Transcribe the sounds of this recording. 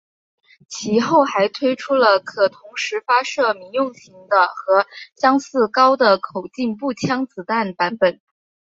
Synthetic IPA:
t͡ɕʰi˧˥xo˥˩ʊxa˧˥ɪt̪ʰwe˥ɪʈ͡ʂʰu˥lə˨kʰɤ˨˩t̪ʰʊ˧˥ŋʂɻ̩˧˥fa˥ʂɤ˥˩mi˧˥jʊ˥˩ŋɕi˧˥ŋd̪ə˧xɤ˧˥ɕjɑ˥ŋsɹ̩˥˩kɑ˥ʊd̪ə˨kʰo˨˩ʊt͡ɕi˥˧npu˥˩t͡ɕʰjɑ˥ŋt͡sɹ̩˧˥t̪a˥˩npa˧˥npə˨˩˦n

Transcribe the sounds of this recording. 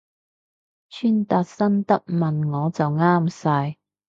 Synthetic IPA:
t͡ʃʰyː˥nt̪aː˧t̚sɐ˥nt̪ɐ˥k̚mɐ˨nŋɔː˨˧t͡sɐ˨wŋaː˥msaː˧j

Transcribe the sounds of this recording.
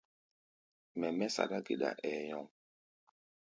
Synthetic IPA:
mɛ˨mɛ˦sa̰˨ɗa˦ɡe˨ɗa̰˨ʔɛ˨jɔ̃˨ŋ

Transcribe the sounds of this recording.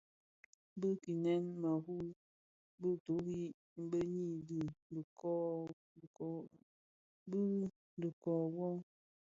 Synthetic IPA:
bɨ˦ki˨nɛ˦nma˨ɦu˦ | bɨ˦to˨˦hi˦ | m̩˦bə˦ɲi˦˨di˨kɔ˦˨˦ | bə˦ | də˨kɔ˨wɔ˦

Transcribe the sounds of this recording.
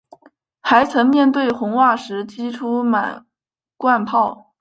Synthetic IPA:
xa˧˥ɪt͡sʰɤ˧˥ŋmjɛ˥˧nt̪̬we˥˩ɪxʊ˧˥ŋwa˥˩ʂɻ̩˧˥t͡ɕʰi˥ʈ͡ʂʰu˥ma˨˩˦ | kwa˥˧npʰɑ˥˩ʊ

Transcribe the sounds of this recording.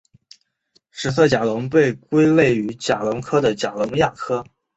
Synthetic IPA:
ʂɻ̩˨˩s̬ɤ˥˩t͡ɕja˨˩lʊ˧˥ŋpe˥˩ɪkwe˥ɪle˥˩ɪy˧˥t͡ɕja˨˩lʊ˧˥ŋkʰɤ˥d̪ə˨t͡ɕja˨˩lʊ˧˥ŋja˥˩kʰɤ˥

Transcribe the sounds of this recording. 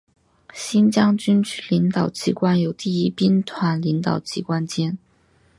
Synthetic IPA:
ɕi˥nt͡ɕjɑ˥ŋt͡ɕy˥nt͡ɕli˧˥ŋt̪ɑ˨˩ʊt͡ɕi˧˥kwa˥njo˨˩ʊt̪i˥˩i˥pi˥nt̪ʰwa˧˥nli˧˥ŋt̪ɑ˨˩ʊt͡ɕi˧˥kwa˥nt͡ɕjɛ˥n

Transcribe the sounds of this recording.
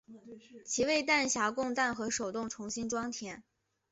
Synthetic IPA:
t͡ɕʰi˧˥we˥˧ɪt̪a˥˩nɕja˧˥kʊ˥˧ŋt̪a˥˩nxɤ˧˥ʂo˨˩ʊt̪ʊ˥˩ŋʈ͡ʂʰʊ˧˥ŋɕi˥nʈ͡ʂwɑ˥ŋt̪ʰjɛ˧˩˥n

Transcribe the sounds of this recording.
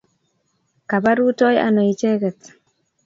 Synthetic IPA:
ka˨ba˦ɾu˦tɔ˦ja̰˨nɔ˨i˨t͡ʃe˦kɛ˨t̪

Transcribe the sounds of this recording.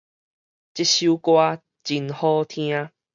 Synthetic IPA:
t͡ɕi˦ɕju˦kwa˧ | t͡ɕi˨nhɔ˦t̪ʰĩ˧a˦˧

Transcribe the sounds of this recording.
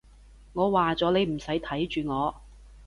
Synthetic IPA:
ŋɔː˨˧waː˨t͡sɔː˨˧˥ne˨˧jm̩˨˩sɐ˨˥jt̪ʰɐ˨˥jt͡ʃyː˨ŋɔː˨˧

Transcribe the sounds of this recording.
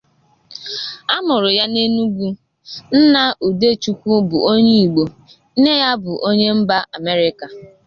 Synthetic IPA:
a˦mʊ˨ɾʊ˨ja˦ne˦nu˦ɡʷu˦ | n̩˦na˦u˨de˦˨t͡ʃu˦kʷu˦bʊ˨o˦ɲe˦i˨ɡ͡bo˨˦ | ne˦ja˦bʊ˨ʔo˦ɲe˦m̩˦ba˦ʔa˨me˦ɾɪ˦ka˨

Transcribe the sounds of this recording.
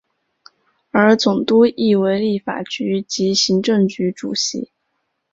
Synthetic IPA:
ə˞˧˥t͡sʊ˨˩ŋt̪u˥i˥˩we˧˥ɪli˥˩fa̰˨˩t͡ɕy˧˥t͡ɕi˧˥ɕi˧˥ŋʈ͡ʂɤ˥˩ŋt͡ɕy˧˥ʈ͡ʂṵ˨˩ɕḭ˧˥

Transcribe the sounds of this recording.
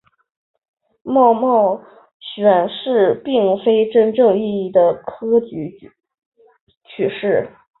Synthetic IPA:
mɑ˥˧ʊmɑ˥˩ʊ | ɕɥɛ˨˩nʂɻ̩˥˧pi˥˩ŋfe˥ɪʈ͡ʂə˥nʈ͡ʂɤ˥˧ŋi˥˧i˥˩d̪ə˩kʰɤ˥t͡ɕy˧˥ | t͡ɕʰy˥˩ʂɻ̩˥˩

